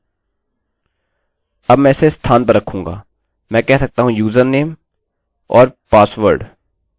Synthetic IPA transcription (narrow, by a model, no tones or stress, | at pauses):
ɐbmɛ̃ːɪsest̪ʰaːnpɐɾːɐkʰːũːŋɡa̰ː | mɛ̃ːkɛɦsɐk̚t̪aːɦũjuːzəɾnːeːm | ɔːɾpaːsʋəɾɖ